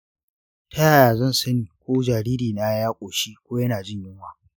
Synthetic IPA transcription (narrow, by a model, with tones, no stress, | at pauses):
tʰɐ˦jaː˨jaː˨zɐ˦˨nsɐ˦niː˨kʷoː˦d͡ʒaː˨ɾiː˦ɾiː˨na˦jaː˦kʷʼoː˨ʃi˦kʷoː˦jɐ˦naː˨d͡ʒɪ˦˨ɲjɪ˦ŋwaː˦